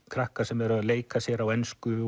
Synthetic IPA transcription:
kʰɾahkasɛmɛɾaðleːjkasjɛɾawɛnskʏ

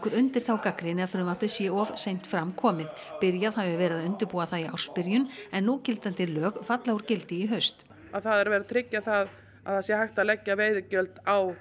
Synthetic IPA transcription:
kʏɾʏnt̪ɪɾ̥θawkakɾɪnɪɣaðfɾʏmaplɪsjɛɔvsejn̥t̪fɾamkʰɔːmɪðpɪɾjaðhavavɛːɾɪðaðʏnt̪ɪɾpuːaθaðia̰wr̥spɪɾjʏnɛnːucɪlt̪ant̪ɪlœːɣfat̪lawuɾcɪlt̪ɪiɦœɥst̪ | aðθaðɛɾvɛːɾɪt̪ʰɾɪcːaθað | aðasjɛhajxt̪aðlɛcːaveːjðɪcœlt̪aw

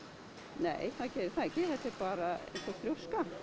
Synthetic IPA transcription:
neːjθaðcɛːɾɪɾθaɛcːɪθɛht̪ːɪpaːɾaḛ̃jnsɔfɾjowska

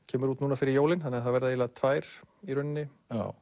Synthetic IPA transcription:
cʰɛːmʏɾuːt̪nuːnafɪɾɪɾjowlɪnθanːɛːaθaðvɛɾðailat̪ʰvaːjɾ̥iɾʏnnːɪ

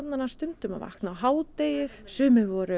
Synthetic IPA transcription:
t̪nanast̪ʏnt̪ʏma̰va̰hknawɦaːwt̪ejɪɾ̥sɛːmɛvɔɾʏ

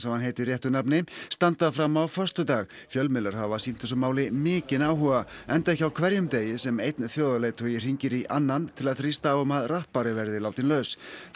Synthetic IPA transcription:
sɛhanɦeːjt̪ɪrjɛht̪ʏɾnapnɪst̪ant̪aðfɾamːawfœr̥st̪ʏt̪aːɣ | fjœlmɪlaɾ̥havasiːlt̪ɛsʏmaːwlɪmɪːcɪnaːwɦɔɣaɛnt̪aɛhçcawkʰvɛɾjʏmt̪eːjɪsɛmejt̪nθjoːðaleːjt̪ʰœjɪr̥iɲcɪɾiʔanːant̪ʰɪlaðθɾist̪aːwʏmaðrahpaɾɪvɛɾðɪlaːwt̪inlœɥs

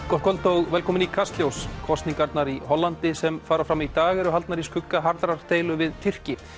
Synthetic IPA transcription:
kɔ̥kʰɔlt̪owɣvɛlkʰɔːmɪnikʰast̪ljowskʰɔst̪niŋkaɾt̪naɾiɦɔlːant̪ɪsɛmfaːɾafɾamit̪aːɣɛɾʏɦalt̪naɾiskʰʏkːaɦaɾt̪ɾaɾ̥t̪eːjlʏvɪðt̪ʰir̥cɪ

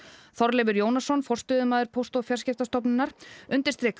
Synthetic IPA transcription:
θɔɾlɛvʏɾjoːwnasɔnfɔr̥st̪ʏːðʏmaːðʏɾ̥pʰowst̪ɔfjarscɪft̪ast̪ɔpnɪnaɾ̥ʏnt̪ɪ̥ɾ̥st̪ɾɪːk

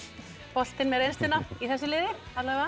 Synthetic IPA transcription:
pɔl̥t̪ɪnmɛðɾejnst̪ɪnːaiθɛsːʏlɪːðɪ | at̪laɣva

